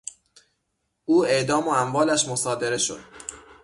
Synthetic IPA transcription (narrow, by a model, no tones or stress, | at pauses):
ʔuːe̞ʔd̪ɒːmoæmvɒːlæʃmosɒːd̪e̞ɾe̞ʃo̰d̪̥̚